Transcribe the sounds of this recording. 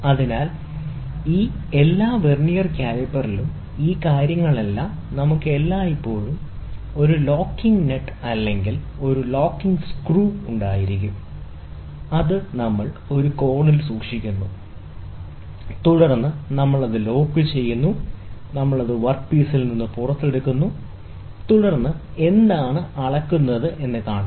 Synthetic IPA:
ɐðinaːl | iː | e̞lːaːʋernijɐrkʲaːɾɐpːɐrilum | iːkaːɾjɐŋːɐɭelːɐ | nɐmukːɨe̞lːaːipːo̞ːɭum | o̞ɾulo̞ːkːiŋɡneʈːɨɐlːeŋɡil | o̞ɾulo̞ːkːiŋɡskruːuɳɖaːjiɾik̬ʲːum | ɐðɨnɐmːɐɭo̞ɾuko̞ːɳilsuːkʂikʲːunːu | t̪uɽɐrnːɨnɐmːɐɭɐðɨlo̞ːkːɨt͡ɕe̞jːunːunɐmːɐɭɐðɨʋɐrkpiːsilninːɨpurɐt̪ːeɽukːunːu | t̪uɽɐrnːɨe̞nd̪aːɳɨɐɭɐkːunːɐðɨʔe̞nːɨkaːɳɐ

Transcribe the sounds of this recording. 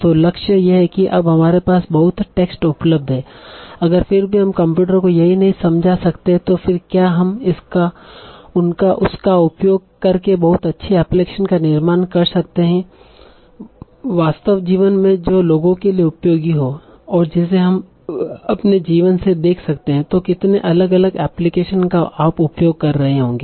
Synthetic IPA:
t̪oːlɐkʃəjeɦɛkiʔɐbɦɐmaːɾepaːsbɐɦʊt̪ʈeːksʈʊpləb̚d̪ʱɦɛːɐɡəɾfɪɾbʱiɦɐmkɐ̃mpjuːʈ̬əɾkojɐɦinɐɦĩsɐ̃md͡ʒʱasɐkt̪eɦɛ̃t̪ofɪɾkjaːɦɐmɪskaʊnkaʔʊskaʊpjoːɡ̚kɐɾkebɐɦʊt̪ɐtːʃʰeɛːpleːkʃənkanɪɾmaːnkɐɾsɐk̚t̪eɦɛ̃ | ʋaːst̪əʋd͡ʒiːʋənmẽd͡ʒoːloːɡõkelieʊpjoːɡiɦo | ɔːɾd͡ʒɛːs̬eɦɐm | ɐpned͡ʒiːʋənsed̪eːkʰsɐkt̪eɦɛ̃t̪okɪt̪neʔɐləɡɐləɡɛːplɪkeːʃənkaʔaːpʊpjoːɡ̚kɐɾːɐɦeɦõːŋɡeː

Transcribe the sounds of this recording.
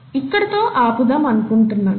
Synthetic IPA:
ikːɐɽɐt̪oːʔaːpud̪ɐmɐnkuɳʈunːaːn

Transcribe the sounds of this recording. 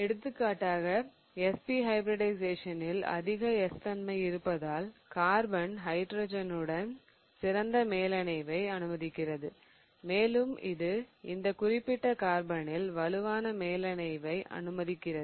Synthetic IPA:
ɛɽɯt̪ːɯkːaːʈːaːɣɐ | ɛspiɦɐɪbɾɪɽɐɪseːʂɐnɪlɐ̰ðɪɣɐɛst̪ɐnmɐɪɪɾɯpːɐðaːlkaːɾbɐɳɦɐɪʈɾoːd͡ʒɐnɯɽɐn | sɪɾɐnd̪ɐmeːlɐnɐɪʋɐɪɐnɯmɐðɪkːɪrɐðɯ | meːlɯmɪ̰ðɯɪnd̪ɐkʊrɪpːɪʈːɐkaːɾbɐnɪlʋɐlɯʋaːnɐmeːlɐɳɐɪʋɐɪʔɐ̰nɯmɐðɪkːɪrɐðɯ

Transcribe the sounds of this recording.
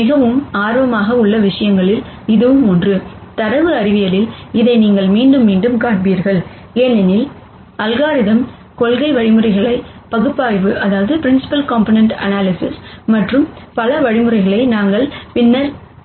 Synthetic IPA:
mɪɣɐʋɯmaːɾʋɐmaːɣɐʊɭːɐʋɪʂɐjɐŋɡɐɭɪl | ɪðɯʋɯmɔndrɯt̪ɐɾɐʋɯɐɾɪʋɪjɐlɪlɪðɐɪniːŋɡɐɭmiːɳɖɯmːiːɳɖɯmkaːʈ̚ʋiːɾɣɐɭ | eːnɪnɪl | ɐlɣaːɾɪðɐm | kɔɭɣɐɪʋɐɻɪmɯrɐɪɣɐɭɐɪpɐɣɯpːaːjʋɯʔɐðaːʋɐðɯpɪɾɪnsɪ̥pɐlkaːmponɛɳʈɐ̰naːlɪsɪsmɐʈrɯmpɐlɐʋɐɻɪmɯɾɐɪɣɐɭɐɪnaːŋɡɐɭpɪnːɐɾ

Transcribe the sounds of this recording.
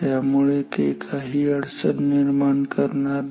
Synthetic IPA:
mʊɭekekʰaɦiɐɽsənːɪɾmaːnkɐɾna

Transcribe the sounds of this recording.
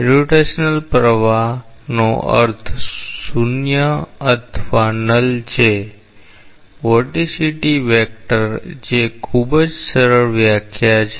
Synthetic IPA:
ɾuʈesnəlpɾəʋa | no̰ə̰ɾt̪ʰsunjəət̪ʰʋanəlt͡ʃʰe | ʋəʈisiʈiʋɛk̚ʈəɾd͡ʒekʰubəd͡ʒsəɾəɭʋjakʰjat͡ʃʰe

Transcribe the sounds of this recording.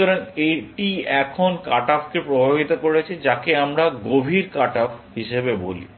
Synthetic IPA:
ɔɾaneʈiɛkʰonkaʈafkepɾobʱabit̪okoɾet͡ɕʰed͡ʑakeamɾaɡobʱiɾkaʈapɦiʃebebo̰lḭ

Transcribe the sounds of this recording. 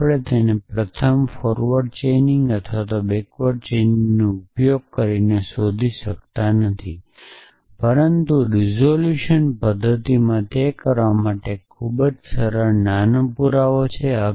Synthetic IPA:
pɭet̪enepɾət̪ʰəmfɔɾʋəɖ̚t͡ʃenɪŋɡət̪ʰʋat̪obekʋəɖ̚t͡ʃenɪŋŋnoupjoɡ̚kəɾinesod̪ʱiʃəkt̪anət̪ʰi | pəɾənt̪uɾizoljuʃənpəd̪ʱːət̪imãt̪ekəɾʋamaʈekʰubəd͡ʒsəɾəɾnanəpuɾaʋot͡ʃʰeə

